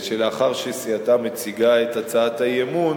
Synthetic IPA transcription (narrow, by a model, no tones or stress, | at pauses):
ʃeleaχaʁʃesiatame̞t͡siɡae̞tat͡saathajemun